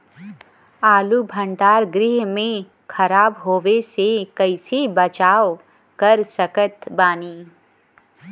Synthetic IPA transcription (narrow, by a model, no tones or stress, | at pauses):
aːlubʱə̃ɳɖaːɾɡɾɪɦmẽ | kʰɐɾaːbɦoːʋesekɐɪsebɐt͡ʃaːo | kɐɾsəkət̪baːniː